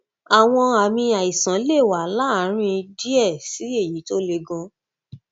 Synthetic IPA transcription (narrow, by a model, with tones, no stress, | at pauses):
a˨w̃ɔ̃˧a˨mĩ˧a˨i˨sã˨˦le˦˨wa˨˦la˦˨˦ɾ̃ĩ˦˧di˦ɛ˦˨si˨˦e˦˨ji˨˦to˦le˧ɡɔ̃˧˦